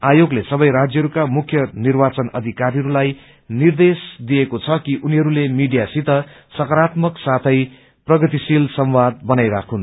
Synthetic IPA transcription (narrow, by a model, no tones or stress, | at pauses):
ajoɡlesʌbʌjɾad͡zjʌɦʌɾukamukʰjʌnirbat͡sʌnʌ̰d̪ʱikaɾiɦʌɾulaj | nird̪esd̪iekot͡sʰʌkiʔuniɦʌɾulemiɖijasit̪ʌ | sʌkʌɾat̪mʌksat̪ʰʌj | prʌɡʌt̪isilsʌmwad̪̚bʌnajɾakʰun